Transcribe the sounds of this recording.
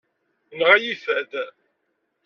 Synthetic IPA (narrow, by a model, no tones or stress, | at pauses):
nʁæjiθæd̪